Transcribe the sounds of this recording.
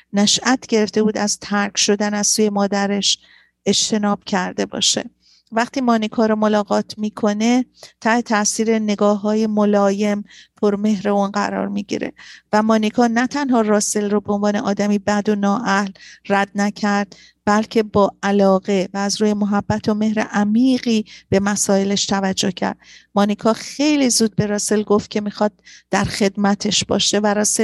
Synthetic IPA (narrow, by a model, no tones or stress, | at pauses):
næʃʔæt̪ʰɟe̞ɾe̞ft̪e̞buːd̪æz̥t̪ʰæɾcʰʃo̞d̪ænæz̥suːje̞mɒːd̪æɾe̞ʃ | e̞d͡ʒt̪ʰe̞nɒːb̥̚cʰæɾd̪e̞bɒ̰ːʃe̞̰ | væχt̪ʰiːmɒːnikʰɒːɾomo̞lɒːɣɒːt̪ʰmiːkʰo̞ne̞t̪ʰæhet̪ʰæʔsiːɾe̞ne̞ɡɒːɦːɒːje̞molɒːje̞mpʰo̞ɾme̞ɦɾe̞uːnɢæ̰ɾɒ̰ːɾmiɟḭɾḛvæmɒːnikʰɒːnæt̪ʰænhɒːrɒːse̞lrobe̞onvɒːne̞ʔɒːd̪æmiːbæd̪o̞nɒːʔæhlræd̪̚næcʰæɾd̪̥ | b̥ælcʰe̞bɒːælɒːɣe̞væːzɾuːje̞moɦæbːæt̪ʰo̞me̞hɾḛʔæmiːɢiːb̥e̞mæsɒːe̞leʃt̪ʰævæd͡ʒːohcʰæ̰ɾd̪̥mɒːnikʰɒːxe̞jliːzuːd̪̚be̞ɾɒːse̞lɡo̞ft̪̚cʰe̞mixɒːd̪̚d̥̪ːæɾxe̞d̪mæt̪ʰe̞ʃb̥ɒ̰ːʃe̞væɾɒːse